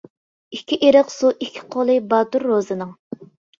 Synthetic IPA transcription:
ikʲʰːiʔeɾəqsuʔikʲʰːi̥qʰolˠɨbɑːt̪uɾːozɨnɨŋ

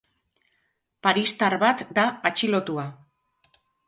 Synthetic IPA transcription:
paɾist̪aɾβat̪d̪aat͡ʃilo̞t̪ua

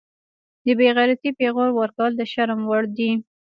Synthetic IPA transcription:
d̪əbeɣaɾat̪ipeɣoɾwaɾkawəld̪əʃaɾmwaɽd̪i

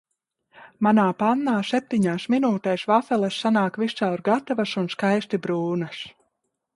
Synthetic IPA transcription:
manaːpanːaːsep̚t̪iɲaːsminuːt̪ɛjsvafɛlˠɛsːanaːkvissawɾɡat̪avasunskajst̪ibɾuːnas

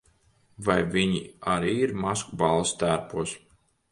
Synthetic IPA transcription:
vajviɲiaɾiːiɾmaskubalˠst̪æɾpuɔs

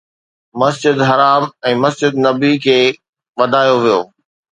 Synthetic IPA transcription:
mɐsd͡ʑɪd̪ɦɐɾaːmɛ̃ːmɐsd͡ʑɪd̪nɐbikʰeː | ʋɐd̪ʱaːjoʋijoː

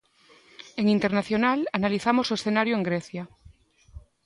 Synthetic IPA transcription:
eŋint̪e̞ɾnaθjonalanaliθamosoesθenaɾjoeŋɡɾeθja

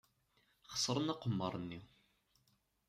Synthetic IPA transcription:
χə̥sˤɾˤənɑqəmːəɾˤnːi

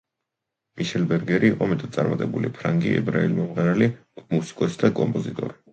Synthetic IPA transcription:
miʃɛlbɛɾɡɛɾiːqʼɔmɛt̪ʼat̪sʼa̰ɾmat̪ʼɛbulipʰɾaŋɡiɛ̰bɾailimɔmʁɛɾali | musi̥kʼɔsd̪akʼɔmpʼɔzit̪ʼɔ̰ɾi

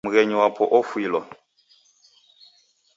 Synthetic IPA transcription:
uɣɛɲiwapʰɔʔɔfuilwa

